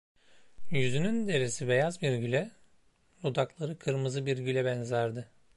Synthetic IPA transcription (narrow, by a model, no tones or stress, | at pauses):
jyzynynd̪e̞ɾesibe̞jazbiɾɟylʲɛ | lˠud̪aklˠaɾɯkʰɯɾmɯzɯbiɾɟylʲɛbænzæɾd̪ɪ